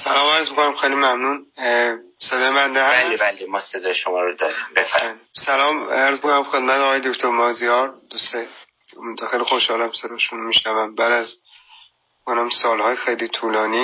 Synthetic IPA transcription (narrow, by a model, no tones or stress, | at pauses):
sælɒːmæɾzmikʰo̞næmxejlimæmnun | sed̪ɒːjebænd̪ehææleælemɒːsed̪ɒːjeʃomɒːɾod̪ɒːɾimbefæɾlsælɒːmæɾzmikʰonæmxed̪̚mæt̪ɒːjed̪okʰt̪ʰoɾmɒːzijɒːɾd̪ust̪e | d̪ɒxejlixoʃhɒːlæmsed̪ɒʃunumiʃnævæmbæːd̪æz | onæmsɒːlhɒːjexejlit̪ʰuːlɒːniː